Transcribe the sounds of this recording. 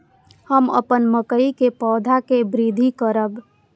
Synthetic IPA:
həmə̰pənməkəikepɔːd̪ʱakebɾid̪ʱikəɾəb

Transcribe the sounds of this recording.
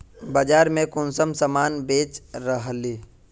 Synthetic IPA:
bəd͡ʒaːɾmẽkʊnsəmsəmaːnbeːt͡ʃɾəɦli

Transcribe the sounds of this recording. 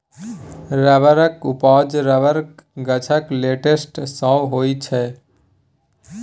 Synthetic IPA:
ɾabəɾəkupɔd͡ʒɾabəɾkɡət͡ʃʰəkleʈesʈsə̃ɦojt͡ʃʰɛ

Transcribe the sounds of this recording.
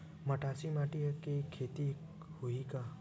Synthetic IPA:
məʈasimaʈikekʰet̪i | huika

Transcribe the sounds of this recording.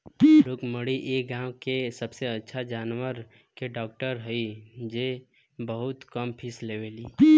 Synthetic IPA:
ɾʊkməɽiʔeːɡãwkesəbseətːʃʰad͡ʒaːnwəɾ | keɖɔːk̚ʈəɾɦəid͡ʒe | bəɦʊt̪kəmpʰɪsleʋeli

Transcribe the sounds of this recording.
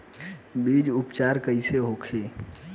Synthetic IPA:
biːd͡ʒʊpt͡ʃaːɾkəɪseɦoːkʰeː

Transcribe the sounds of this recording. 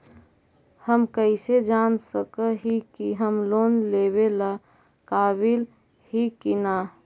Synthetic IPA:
həmkəɪsed͡ʒansəkəɦikiɦəmloːnleβela | kaːbil | ɦikina

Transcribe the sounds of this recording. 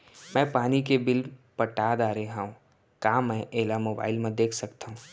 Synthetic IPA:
mɛ̃ːpaːnik̬ebɪlpɐʈaːd̪aːɾeɦaɦũː | kaːmɛ̃ʔeːlamoːba̰ːɪlmẽd̪eːkʰsɐkt̪aɦũː

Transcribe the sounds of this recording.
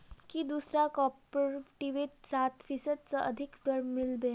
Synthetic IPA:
kiːd̪usɾakɔpɾeʈiʋet̪sat̪fisəd̪̚t͡səʔəd̪ʱikd̪əɾmilbe

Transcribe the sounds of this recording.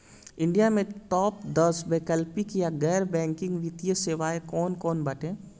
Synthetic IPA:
ɪ̃ɳɖijamẽʈɔːpd̪əsbeːkəlpikjaɡɛːɾbɛ̃ːŋkɪ̃ŋɡʋɪt̪ijəseːʋaːekɔːnkɔːnbɐʈʰẽː

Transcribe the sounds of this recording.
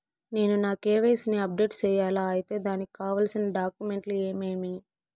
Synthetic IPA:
ne̞ːnunaːkeːʋɐjːsineɐp̚ɖe̞ːʈt͡ʃɛːjaːlaːɐjit̪e̞ːd̪aːnikikaːʋaːlsinɐɖaːkjume̞ɳʈlue̞ːme̞ːmi

